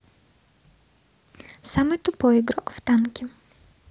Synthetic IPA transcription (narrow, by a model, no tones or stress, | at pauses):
samɨt̪ʊpɔjɪɡɾɔkft̪ankʲɪ